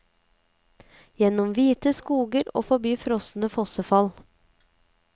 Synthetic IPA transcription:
jɛnɔmʋiːt̪əskuːɡəɾo̰ːfɔbyːfɾɔsn̩əfɔsəfɑl

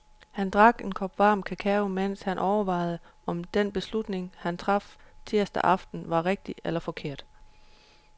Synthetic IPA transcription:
hænd̥ʁɑ̈ɡ̥e̝nkʰɒb̥ʋɑ̈ːmkʰækʰæo̝men̰shænʔɒʊɐʋɑ̈ɪð̩ˠəɒ̽md̥enb̥e̝slud̥ne̝ŋhænt͡sʰʁɑ̈ft͡sʰeɐsd̥ɐ̰ʔɑ̈fd̥n̩ʋɑ̈ʁeɡ̥̚d̥ielɐfɒ̽kʰe̝ɐ̰d̥

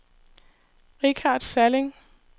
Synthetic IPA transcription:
ʁikʰɑːd̥sæleŋ

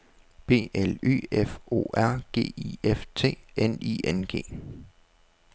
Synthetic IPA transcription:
b̥e̝̰ːely̰ːefo̝̰ːæɐ̰ɡ̥e̝̰ːḭeft͡sʰe̝̰ːenḭʔenɡ̥e̝̰ː

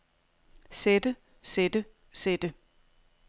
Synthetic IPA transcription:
sed̥ə | sed̥ə | sed̥ə

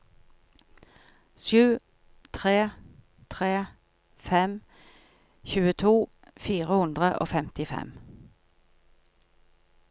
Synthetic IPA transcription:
ʃjʉː | t̪ʰʁeː | t̪ʰʁeː | fɛm | çʉːət̪ʰuː | fiːʁəhʊnd̪ʁəʔo̰ːfɛmt̪ɪfɛ̰m

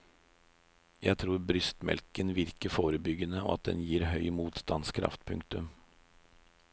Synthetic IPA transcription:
jæɪt̪ʰɾuːɾbɾʏst̪mɛ̰lkənʋɪɾkəfoːɾəbʏɡənəɔ̰ːɑt̪̚d̪ɛ̰njiːɾhœʏmuːt̪st̪ɑnskʰɾɑ̰ft̪pʰʉŋk̚t̪ʉm

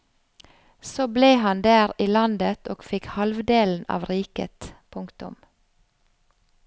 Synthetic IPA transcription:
soːbleːhɑnd̪æːɾiːlɑnd̪ət̪ʰoːɡ̥fɪkhɑlʋd̪eːln̩ɑ̰ːʋɾiːkə̰t̪pʰʊŋkt̪ʊ̰m

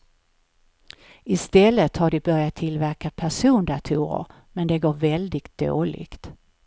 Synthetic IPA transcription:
ɪst̪ɛlːət̪haɖɪbœɾjat̪ʰːɪlvæɾkapʰæʂuːnd̪at̪ʰṵːɾə̰ɾ | mɛnd̪ɛɡoːɾvɛld̪ɪɡt̪̚d̪̥o̰ːlɪ̰kt̪

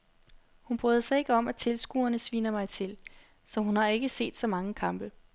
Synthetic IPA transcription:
hunb̥ʁyːð̞ˠɐsɑ̈ɪe̝ɡ̥əɒ̽mæt͡sʰe̝lsɡ̥ṵːɐnəsʋḭːnɐmɑ̈ɪt͡sʰe̝l | sɒ̽ɦunhɑ̈e̝ɡ̥əse̝̰ːd̥sɒ̽mɑ̈ŋəkʰɑ̈mb̥ə

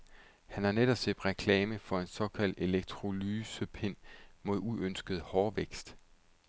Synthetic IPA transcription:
hænhɑ̈neɾ̥ɒ̽b̥sed̥ʁɛkʰlɛːməfɒ̽e̝nsɒ̽kʰæl̰d̥e̝leɡ̥̚t͡sʰʁo̝lyːsəpʰe̝n̰mo̝ð̞ˠuønsɡ̥əð̞̩ˠhɒːʋeɡ̥sd̥

